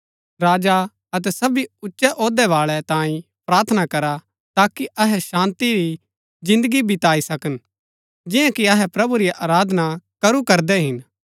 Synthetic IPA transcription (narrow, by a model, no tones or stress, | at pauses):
ɾaːd͡ʒa | ɐt̪ɛsɐbiʊtːʃɛʔoːd̪ɛʋaːɭɛt̪ãːĩ | pɾaːɾt̪ʰənakɐɾa | t̪aːkiʔɐɦɛʃãːnt̪iɾi | d͡ʒɪ̃nd̪əɡibʱɪt̪aːisɐkən | d͡ʒɪjãkiɐɦɛpɾɐbuɾiʔaːɾaːd̪ʱnakɐɾukɐɾd̪ɛɦɪn